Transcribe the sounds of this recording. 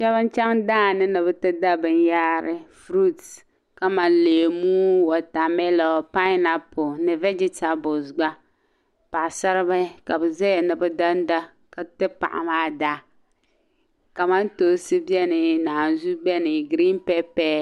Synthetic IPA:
t͡ʃɛ˦βɨ˦n˦t͡ʃɛ˦ŋdaː˦˨nɨ˦nɨ˨bɨ˦tɨ˦da˦bɨ˨n˦jaː˦ɾɪ˦fɾu˦t | ka˦ma˨nleː˨muː˦wɔ˨ta˨mɛ˦lɔ˨pa˦na˨pʊ˨nɨ˨vɛ˦d͡ʒɪ˦ta˨bʊ˨sɡ͡ba˦ | pa˨ʔsa˦ɾɨ˦ba˦ka˨bɨ˨zɛ˦ɛ˨nɨ˨bɨ˦da˦n˦da˦ | ka˨tɨ˦pa̰˨ʔa̰˨maː˦da˦ | ka˨ma˦ntoː˨sɨ˦bjɛ˦nɨ˨naː˨nzu˦bɛ˦nɨ˨ɡɾi˦npɛ˦pɛː˦

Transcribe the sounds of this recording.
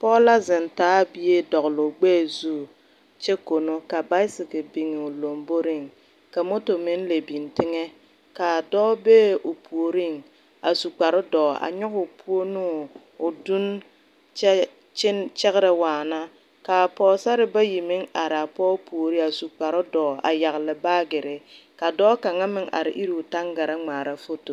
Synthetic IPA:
pɔː˦la˦zɪ˨ntaː˦bi˦je˦dɔ˨ɣlʊ˨ɡ͡beː˦˨zuː˦˨ | t͡ʃɛ˦ko˨no˦ka˨ba˦ɪ˦sɪ˨kɪ˨bi˨ŋɪ˨ʊ˨lo˨mbo˦ɾɪ˦˨ŋ | ka˨mo˦to˨mɪ˦n˦le˨bi˨ntɪ˦ŋɛ˦ | ka˨dɔː˦beː˦ʊ˨pʰu˨o˨ɾi˦˨ŋ | a˨su˨k͡pa˨ɾʊ˦dɔː˨a̰˨ɲɔ˦kʊ˨pʰu˦o˦nu˦ | ʊ˨du˦n | t͡ʃ | t͡ʃɪ˦nt͡ʃɛ˦ɣɪ˦ɾɛ˨waː˨na˦ | ka˨pɔː˦sa˦ɾɪ˦ba˦ji˨mɪ˦ŋa˨ɾɪ˨a˨pɔː˦pu˨o˨ɾi˦a˨su˨k͡pa˨ɾɪ˦dɔː˨a̰˨ja˨ɣlɪ˨baː˦ɡɪ˨ɾɪ˨ka˨dɔː˦ka˨ŋa˦mɪ˨ŋʔa̰˨ɾɪ̰˨ʔi˦ɾi˨ʊ˨ta˦ŋɡa˨ɾa˦ŋ͡maː˨ɾa˦fo˦to˨

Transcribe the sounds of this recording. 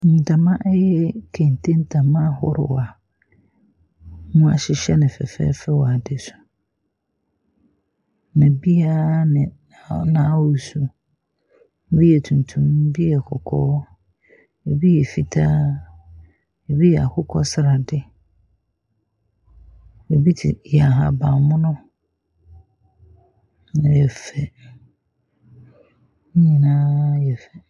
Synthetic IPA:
n̩˨ta˨mã˦ʔɛ˦jɛ˦kʰẽ˨n˨tʰẽ˦n̩˦tʰa˨mã˦hʊ˦ɾɪ̰˨wa˨ | mũ˦a̰˨ɕɪ˨ɕɛ˦nɪ̃˨fɛ̰˨fɛ̰ː˦fɛ˦wɔ˨a˨dɪ˦sʊ̥˨ | nã˨bi˦a˦nɪ̃˨ | nãː˨˦wu˨su˨˦ | bi˦ɛ˨tʰũ˨n˨tʰũ˦m̩˦bi˦ɛ˨kʰɔ˨kʰɔː˦ | e˨bi˦jɛ˨fi˨tʰaː˦ | ɛ˨bi˦jɛ˨a̰˨kʰʊ˦kʰɔ˦sɪ˨ɾa˨dɪ˦ | ɛ˨bi˦tʰɪ̰˨jɛ˨a˨ɦa̰˨bã˨mʊ̃˦nʊ̃˦ | ñ˨jɛ˨fɛ˨˦ | ɲĩ˨nãː˦jɛ˨fɛ˨

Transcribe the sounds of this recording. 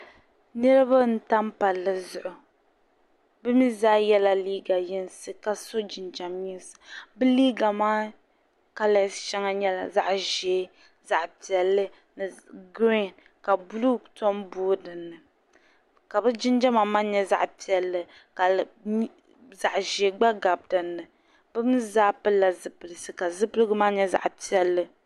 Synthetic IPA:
nɛ˦ɾɨ˦ba˦n̩˦ta˦mpa˨lːɨ˨zʊ˨ʔʊ˨ | bɛ˦mi˦zaː˦jɛ˦la˨liː˦ɡa˨jɛ˦n˦sɨ˨ka˨so˦d͡ʒɪ˨nd͡ʒa˨mɲi˦sɨ̥˨bɨ˦liː˦ɡa˨maː˦ | ka˦lɛ˦sʃɛ˦ŋa˦ɲɛ˦la˨za˦ʔʒɛː˨˦ | za˨ʔpi˨ɛ˨lːɨ˦ | nɨ˨ɡɾi˦˨n | ka˨blu˦ktɔ˦mboː˦dɨ˨nːɨ˨ | ka˨bɨ˦d͡ʒɪ˦nd͡ʒa˦ma˨ma˦ɲɛ˦za̰˦˨ʔpi˨ɛ˨lːɨ˨ | ka˨˦ | za˨ʔʒeː˨˦ɡ͡ba˦ɡa˨b̚dɨ˨nːɨ˨ | b̥ɨ˦m˦zaː˦pɨ˦la˨zɨ˨pɨ˨lɨ˨sɨ˨ka˨zɨ˦pɨ˦lɨ˦ɡɨ˦maː˦ɲɛ˦za̰˨ʔpi˨˦ɛ˨lːɨ˦

